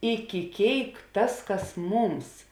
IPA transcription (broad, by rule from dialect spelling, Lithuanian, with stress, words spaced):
ɪkʲɪ ˈkʲeːɪk ˈtɐs ˈkɐs ˈmuːms